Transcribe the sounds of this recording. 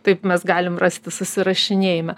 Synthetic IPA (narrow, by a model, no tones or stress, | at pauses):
t̪ɐɪpmʲɛsɡɑːlʲɪmrɑsʲt̪ʲɪsʊsʲɪɾɐʃʲɪnʲeːjɪmʲɛ